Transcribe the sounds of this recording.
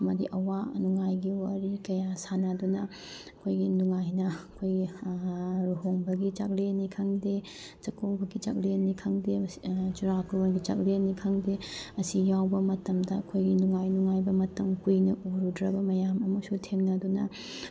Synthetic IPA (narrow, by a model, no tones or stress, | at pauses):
ɐmɐdiʔɐwanuŋajɡiwaɾikɐjasanɐdunɐ | ɐkʰojɡinuŋajnɐɐkʰojɡi | ɾuɦoŋbɐɡit͡ʃak̚ɾenikʰaŋde | t͡ʃɐkowbɐɡit͡ʃa̰k̚lenːikʰɐŋdet͡ʃuɾakɾonɡit͡ʃa̰k̚ɾenːikʰɐŋdeɐsijawbɐmɐtɐmdɐɐkʰojɡinuŋajnuŋajbɐmɐtɐŋkujnɐʔuɾudɾɐbɐmɐjamɐmɐsutʰemnɐdunɐ̰